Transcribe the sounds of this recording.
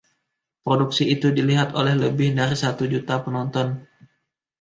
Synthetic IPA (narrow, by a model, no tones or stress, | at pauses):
pɾoduksiːt̪udiliɦat̪olɛhləbɪhdaɾisat̪ud͡ʒut̪apənɔnt̪ɔn